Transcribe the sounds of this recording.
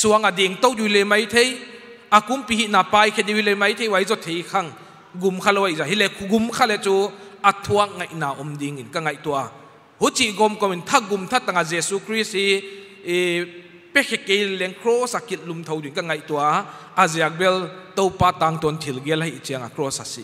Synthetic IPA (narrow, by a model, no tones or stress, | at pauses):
suaŋadiŋtɔwdujlemajtʰej | akumpiɦiʔnapajkʰediwilemajtʰejwajzɔtʰejkʰaŋ | ɡumkʰalɔwajzaɦilɛkʰuɡumkʰalɛt͡suatʰuak̚ŋajʔnaʔɔmdiŋinkaŋajtua | hut͡ʃiʔɡɔmkɔmint̪ʰaɡumt̪ʰatːaŋazesukʰɾisi | pekʰekejlɛŋkʰɾɔsakit̚lumt̪ʰowduinkɐŋajtua | azeak̚bɛltɔwpataŋtɔntʰilɡelɦajʔt͡siaŋa̰kʰɾɔsasḭ